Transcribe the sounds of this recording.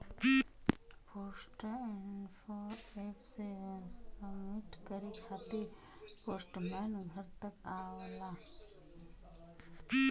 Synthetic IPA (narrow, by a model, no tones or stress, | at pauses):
poːsʈɪnpʰoeːpʰsessəbmɪʈkəɾikʰaːt̪i | poːsʈmɛːnɡʱəɾt̪əkaːla